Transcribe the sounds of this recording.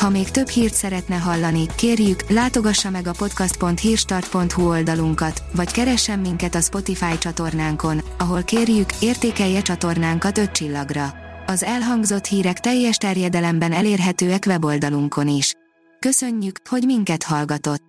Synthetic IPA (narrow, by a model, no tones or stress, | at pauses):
hɒmeːkt̪ø̞bhiːrt̪sɛɾɛt̪nɛɦɒlːɒnikeːrjyklaːt̪o̞ɡɒʃːɒmɛɡɒpo̞t̪kɒst̪po̞nt̪hiːrʃt̪ɒrt̪̚po̞nt̪huo̞ld̪ɒluŋkɒt̪ʋɒckɛɾɛʃːɛmːiŋkɛt̪ɒspo̞t̪ifaːjt͡ʃɒt̪o̞rnaːŋko̞nɒɦo̞lkeːrjykeːrt̪eːkɛjːɛt͡ʃɒt̪o̞rnaːŋkɒt̪ø̞t̪̚t͡ʃilːɒɡrɒɒzɛlɦɒŋɡzo̞t̪hiːɾɛkt̪ɛjːɛʃt̪ɛrjɛd̪ɛlɛmbɛnɛleːrɦɛt̪øːɛkʋɛbo̞ld̪ɒluŋkʰo̞niʃ | kø̞søɲːykho̞ɟmiŋkɛt̪hɒlɡɒt̪o̞t̪ː